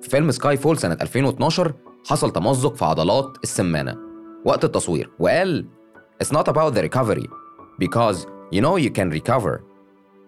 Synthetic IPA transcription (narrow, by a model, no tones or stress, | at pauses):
fi̥felmskɑːjfoːlsænæt̪ʔælfeːnwet̪nɑːʃɑɾˤħɑsˤɑlt̪ɑmɑzːokfiʕɑ̰d̪ˤɑlɑːt̪esːæmːæ̰ːnæ̰wæʔt̪et̪ːɑsˤwḭːɾweʔæːl | ʔɪtsnɑt̪æbawt̪̚ðəɾikɑvəɾḭbɪkɔːzjunoːjukæ̃nɾikɑvə̰ɹ